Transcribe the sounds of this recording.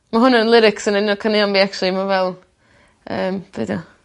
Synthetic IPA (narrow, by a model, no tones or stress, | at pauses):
maɦʊnanlˠɪɾɪksənənɔkʰanɪɔnbiːakt͡ʃʊlˠimavɛlˠ | əːmb̥edɔ